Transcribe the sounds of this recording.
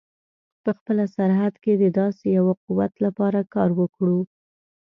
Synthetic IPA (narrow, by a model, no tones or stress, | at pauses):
pəxpəlasaɾɦad̪ked̪əd̪ɑsejawaquwat̪lapɑɾakɑɾwəkɽu